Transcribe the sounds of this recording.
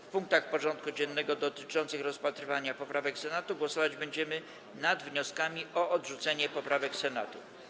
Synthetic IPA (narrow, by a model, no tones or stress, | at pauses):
fpuŋk̚t̪axpɔʐɔnt̪̚kud͡ʑɛnːɛɡɔd̪ɔt̪ɘ̥t͡ʂɔnt̪sɘxɾɔspat̪ɾɘvaɲapɔpɾavɛksɛnat̪uɡwɔsɔvad͡ʑbɛɲd͡ʑɛmɘ | nad̪vɲɔskamʲiɔʔɔd̪ʐut̪sɛɲɛpɔpɾʔavɛksɛna̰t̪u